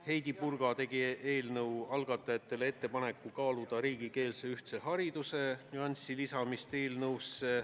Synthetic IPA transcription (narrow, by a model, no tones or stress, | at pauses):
he̞jd̪̥ipurɡ̥ɑt̪e̞ɡ̥ie̞ːlnɤwɑlɡ̥ɑt̪ːˑɑjɑt̪ːˑe̞lee̞t̪ːe̞pɑne̞kːˑukɑːlud̪̥ɑɾiːɡ̥ike̞ːlse̞yht̪se̞hɑɾid̪̥use̞nʲyɑnʲsilisɑmist̪e̞ːlnɤwsːe